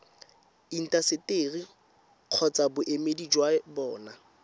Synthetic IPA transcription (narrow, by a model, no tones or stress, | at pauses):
in̩tʼasɪteːri | q͡χʰɔt͡sabʊʔemedid͡ʒwabɔːna